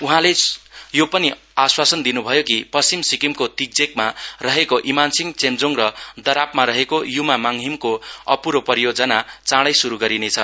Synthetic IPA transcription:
uɦãlejopʌni | aswasʌnd̪inubʱʌjokipʌst͡simsikimkot̪ik̚d͡zekmarʌɦekoʔimansiŋt͡semd͡zoŋrʌd̪ʌɾapmaɾʌɦekojumamaŋɦimkoʌpuɾopʌrijod͡zʌnat͡saɽʌjsuɾuɡʌɾinet͡sʰʌ

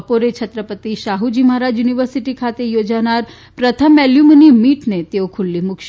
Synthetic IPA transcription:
poɾet͡ʃʰət̪ɾəpət̪iʃaɦud͡ʒimaɾad͡ʒjuniʋəɾsiʈikʰat̪ejod͡ʒanaɾ | pɾət̪ʰəmɛljumnimiʈnet̪eokʰulːimʊkʃ

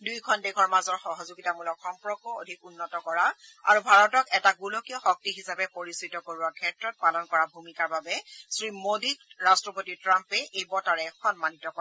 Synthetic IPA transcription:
dujkʰɔndeɡʰɔɹmazɔɹxɔɦɔzuɡitamulɔkxɔmpɹɔkɔo̰dʱikunːɔtɔkɔɹaa̰ɹubʱaɹɔtɔkɛtaɡulokiɔxɔk̚tiɦisapɛpoɹisitɔkoɹuwakʰɛtɹɔt̚palɔnkɔɹabʱumikaɹbabɛsɹimodiɹastɹɔpotitɹampɛʔejbɔtaɹɛxɔnmanitɔkɔ

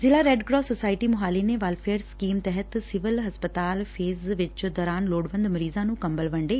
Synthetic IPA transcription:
zɪlaːɾɛːɖɡɾɔːsoːsaːɪʈiːmʊɦaːleːneːʋaːlfʰeːɾskiːmt̪ɛɦət̪sɪʋəlɦəspət̪aːlpʰeːzʋɪt͡ʃd̪ɔːɾaːnloːɽʋə̃nd̪məɾiːzãːnũːkəmbəlʋəɳɖeː

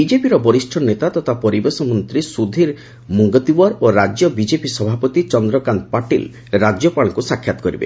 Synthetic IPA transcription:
id͡ʒepiɾɔbɔɾisʈʰɔnet̪at̪ɔt̪ʰapɔɾibesɔmɔnt̪ɾisud̪ʱiɾ | muŋɡɔt̪iwaɾoɾad͡ʒjɔbid͡ʒepisɔbʱapɔt̪it͡ʃɔnd̪ɾɔkanpaʈḭl | ɾad͡ʒjɔpaɭ̃ɔkusakʰjat̪ɔ̥kɔɾibḛ

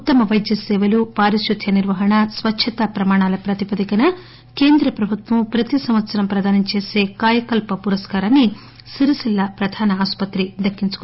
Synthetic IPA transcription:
ut̪ːɐmɐʋɐjd̪jɐseːʋɐlupaːɾiʃɾud̪ʱjɐniɾʋɐɦɐɳɐsʋɐtːʃʰɐt̪ɐpɾɐmaːɳaːlɐjɐpɾɐt̪ipɐd̪ikɐnɐ | keːnd̪ɾɐpɾɐbʱut̪ʋɐmupɾɐt̪isɐmɐt̪sɐɾɐmpɾɐd̪aːnɐt͡ʃeːsekaːjɐkɐlpɐpuɾɐskaːɾɐnːi | siɾisilːɐpɾɐd̪ʱaːnɐaːspɐt̪ɾid̪ɐkːinsu̥k

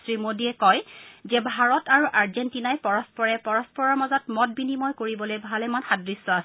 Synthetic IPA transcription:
sɹimodiɛkɔjzɛbʱaɹɔtaɹuʔaɹzentinajpɔɹɔspɔɹɛpɔɹɔspɔɹɔɹmazɔtmɔt̚binimɔjkoɹibɔlojbʱalɛmanxadɹisːɔas

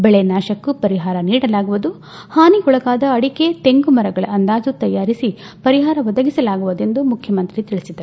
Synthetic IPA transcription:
bɛɭenaːʃɐkːupɐɾiɦaːɾɐniːɽɐlaːɡuʋud̪u | haːniɦɔɭɐkaːd̪ɐɐɽike̞t̪eŋɡumɐɾɐɡɐɭɐɐnd̪aːd͡ʒut̪ɐjaːɾisi | pɐɾiɦaːɾɐʋɐd̪ɐɡisɐlaːɡuʋud̪e̞nd̪umukʰjɐmɐnt̪ɾit̪iɭisid̪ɐ

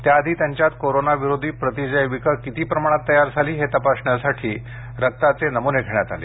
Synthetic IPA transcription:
t̪jaəd̪ʱiːt̪jaɲt͡ɕjat̪koɾonaʋiɾod̪ʱiːpɾət̪id͡zəjʋikəkit̪iːpɾəmaɽ̃at̪ːəjaɾd͡zʱaliːɦet̪əpasɳjasaʈʰiː | ɾək̚t̪at͡senəmuneɡʱeɳ̃jat̪a̰lḛ

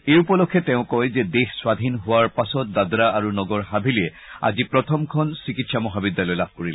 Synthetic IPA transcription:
ejupɔlɔkʰːɛtɛʊ̃kɔjzɛdexswad̪ʱinɦʊwaɹpasɔt̚dadɹaaɹunɔɡɔɹɦabʱiliɛ | a̰zipɹɔtʰɔmkʰɔnsikitsamɔɦabidːalɔjlab̚ʱkoɹil

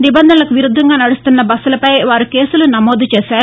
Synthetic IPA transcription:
nibɐnd̪ʱɐnɐlɐkuʋiɾud̪ʱːɐŋɡaːnɐɽust̪unːɐbɐsulɐpɐjʋaːɾukeːsulunɐmoːd̪ʱut͡ʃeːsaːɾu

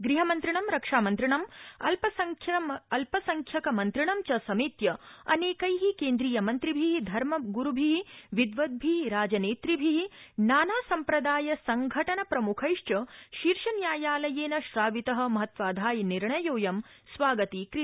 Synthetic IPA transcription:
ɡɾiɦɐmɐnt̪ɾiɳɐmɾɐkʂaːmɐnt̪ɾiɳɐmɐlpɐɐɐlpɐsɐŋkʰjɐkɐmɐnt̪ɾiɳɐmt͡ʃɐsɐmiːt̪jɐɐ̰neːkɐjɦikeːnd̪ɾiːjɐmɐnt̪ɾibʱiɦid̪ʱɐɾmɐɡuɾubʱiɦiʋid̪ʋɐd̪̚bʱiiɾaːd͡ʒɐneːt̪ɾibʱiɦinaːnaːsɐmpɾɐd̪aːjɐsɐŋɡʱɐʈɐnɐpɾɐmukʰɐjʂt͡ʃɐʃiɾʂɐnjaːjaːlɐjeːnɐʃɾaːʋit̪ɐɦɐ̆mɐɦɐt̪ʋaːd̪ʱaːjniɾɳɐjoːjɐm | sʋaːɡɐt̪ikɾi

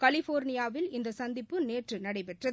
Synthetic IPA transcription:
kɐlɪfoːɾnɪjaːʋɪlɪnd̪ɐsɐnd̪ɪpːɯneːʈrɯnɐɽɐɪpɛʈrɐð

